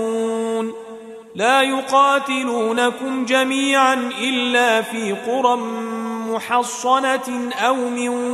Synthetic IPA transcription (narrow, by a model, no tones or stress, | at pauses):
n | laːjʊqɑːt̪ɪluːnakʊmd͡ʒamiːʕanʔɪlːaːfiːqʊɾˤɑmʊħɑsˤːɑnaʔawmɪ